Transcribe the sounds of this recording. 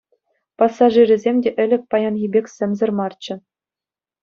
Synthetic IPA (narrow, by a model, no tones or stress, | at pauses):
pɑsːɑʐirʲɘ̆zʲemʲdʲeʔɘ̆lʲɘ̆k̚ʲpɑjɑnɣʲibʲekʲsʲɘ̆mʲzʲɘ̆rmɑrt͡ɕɘ̆